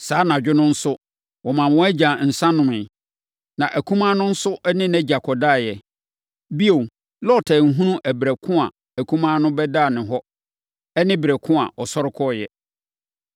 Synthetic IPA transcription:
saː˨˦nã˨d͡ʑᶣɪ˦nʊ̃˦n̩˦sʊ˦ | wɔ˨mã˨m˨wɔ̃˦æ˦d͡ʑã˨n̩˨sã˦nʊ̃˨mɪ̃˨ | nã˨ʔæ˨kʰũ˦mã˦nʊ̃˦n̩˦sʊ˦ʔnɪ̃˦næ˦d͡ʑa˨kʰɔ˨daː˦˨jɛ˨ | bi˦o˨ | lɔ˦˨tʰɛ˨ŋ̩˨ɦũ˦nũ˦ʔæ˨bɾæ˨kʰʊ̃˦a̰˨ | æ˨kʰũ˦mã˦nʊ̃˦bɛ˦da˦˨nɪ̃˨ɦɔ˦ | ɛ˦nɪ̃˦bɾæ˨kʰʊ̃˦a̰˨ʔɔ˨sɔ˦ɾɪ˦kʰɔ˦˨jɛ˨

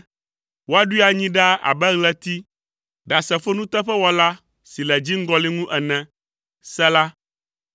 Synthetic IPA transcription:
wo˦a˨ɖu˦i˦a˨ɲĩ˦ɖa˦a̰˨bɛ˦ɣlɛ˦t̪i˦ | ɖa˨sɛ˨fo˦nũ˦t̪ɛ˦ɸɛ˦wɔ˨la˦ | si˨lɛ˨d͡ʑi˦ŋ̩˦ɡɔ˦li˦ŋũ˦ʔɛ˨nɛ̃˨ | sɛ˦la˦

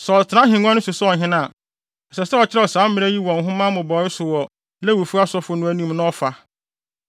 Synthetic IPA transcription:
sɔ˨tʰɪ˨nã˦ɦĩ˨ŋ˦ɔ̃˦n˦ʊ̃˦sʊ˨sɔ˨ɦɪ̃˦nã˦˨ | ɛ˨sɛ˨sɛ˦ɔ˨t͡ɕʰɪ˦ɾɛ˦˨ɔ˨sãː˨˦m˦mɪ̃˦ɾæ˦ji˦wɔ̃˨ŋ˨ɦʊ̃˦mã˦mʊ̃˨bɔ˨˦ɪ˦sʊ˨wɔ˨ | lɛ˦wu˨fu˦a˦sɔ˦fʊ˦nʊ̃˦æ˦nĩ˦mnʊ̃˦ɔ˦fa˦

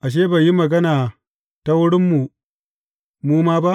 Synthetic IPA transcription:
ʔa˨ʃ̬eː˦ba˨ji˦mɐ˨ɡɐ˦naː˨ | ta˦wʊ˦ɽɪ˦mːu˨ | muː˦maː˦ba˦ʔ

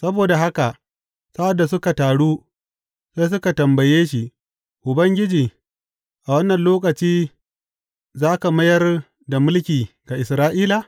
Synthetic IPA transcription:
sɐ˦boː˨da˨ɦa˦ka˨ʔ | sa˦ʔa˨dːa˨s̬ʊ˦ka˨taː˨ɽuː˦ | se˦s̬ʊ˦ka˨tɐ˨mbɐ˨jeː˦ʃi˨ | ʔʊ˨bɐ˦ŋɡʲɪ˦d͡ʒiː˨ | ʔa˨wɐ˦nːɐ˨nloː˦k̬ɐ˨t͡ʃiː˦ | zaː˦ka˨mɐ˦jɐ˦r | da˨mʊ˦lkʲiː˨ɡa˨ʔɪ˨sɾaː˦ʔiː˦la˨

